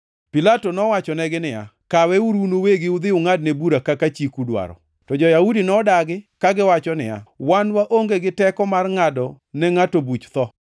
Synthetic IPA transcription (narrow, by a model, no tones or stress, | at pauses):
pilatonɔwat͡ʃɔnɛɡɪnɪja̰kawɛuɾunoweɡɪʊd̪ɪʊŋadnebuɾakakat͡ʃikudwa̰ɾɔ̰ | tɔd͡ʒɔjaudinɔdaɡɪkaɡɪwat͡ʃɔnɪ̰ja̰wanwaʔoŋɡeɡɪtɛkɔmarŋadɔ | nɛŋatobut͡ʃt̪ɔ